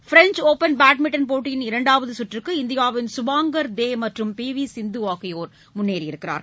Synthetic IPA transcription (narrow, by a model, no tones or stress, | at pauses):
fɪɾɛɲt͡ʃoːpɐnbaːʈ̚mɪʈːɐnpoːʈːɪjɪnɪɾɐɳɖaːʋɐðɯsʊʈːrɯkːɯɪnd̪ɪjaːʋɪnsʊʋaːŋɡɐɾd̪eːmɐʈrɯmpiːʋisɪnd̪ɯaːkɐjoːɾ | mʊnːeːɾɪɾɯkːɪɾa̰ːɾ